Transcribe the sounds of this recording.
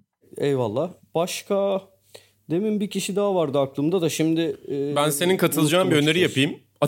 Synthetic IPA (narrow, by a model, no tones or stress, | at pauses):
ɛjvalˠːaːb̥aʃkʰa | d̪e̞mimbicʰiʃid̪aːvaɾd̪ɯaklˠɯmd̪ad̪aʃimd̪ɪːbænse̞ninkʰat̪ʰɯlˠɯd͡ʒaːmbiø̞ne̞ɾijapʰɯjɯm | a